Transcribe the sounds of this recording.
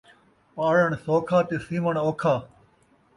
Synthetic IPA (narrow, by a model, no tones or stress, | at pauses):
paːɽəɳsoːkʰaːt̪esiːməɳoːkʰaː